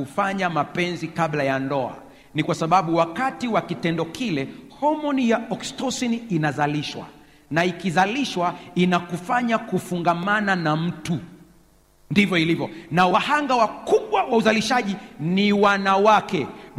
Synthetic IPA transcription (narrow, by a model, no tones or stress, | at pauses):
ufaɲamapɛnzikaɓlajandɔa̰ | nikwasaɓaɓuwakatiwakitɛndɔkʰilɛhɔmɔnijaɔkstɔsiniinazaliʃwa̰ | naikizaliʃwainakufaɲakufuŋɡamananam̩tu | ndivjɔilivjɔnawahaŋɡawakuɓwawauzaliʃaʄiniwanawakɛ